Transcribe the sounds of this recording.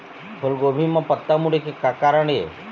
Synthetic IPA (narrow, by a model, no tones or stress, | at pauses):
pʰʊlɡobʱimãpət̪ːamuɽekekakaɾəɳe